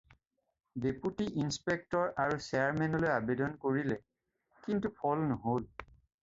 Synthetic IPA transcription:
deputiʔinspek̚tɔɹaɹusɛaɹmɛnɔlojabedɔnkoɹilɛ | kintupʰɔlnɔɦol

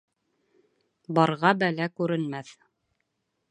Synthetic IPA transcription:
bɑɾʁɑbælækʉɾɘ̆nmæθ

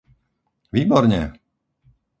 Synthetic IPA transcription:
ʋiːbɔɾɲɛ̰

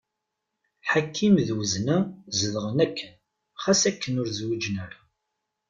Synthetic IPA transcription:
ħakʰːimðwəznæzəðəʁənækʰːən | χæsækːənʊɾzwid͡ʒnəɾ

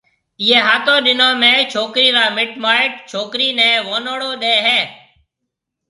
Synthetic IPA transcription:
ɪjeːɦaːt̪õːɗɪnõːmẽːt͡ʃʰoːkɾiːɾaːmɪʈmaːɪʈ̚t͡ʃʰoːkɾiːnẽːʋoːnoːɽoːɗ̪eːɦɛː

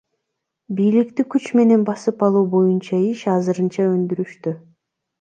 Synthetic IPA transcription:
bijlik̚t̪ikyt͡ʃme̞ne̞nbɑsɯpɑlˠuːbo̞junt͡ʃɑiʃɑzɯɾɯnt͡ʃɑø̞nd̪yɾyʃt̪y

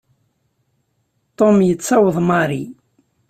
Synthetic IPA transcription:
t̪ːomjət͡sːɑwəðˤmɑɾi

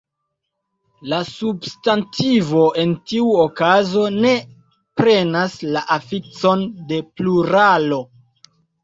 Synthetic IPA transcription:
lasubstantivo̞ʔe̞ntiuokazo̞ne̞ | pɾe̞naslaʔafit͡so̞nde̞pluɾalo̞

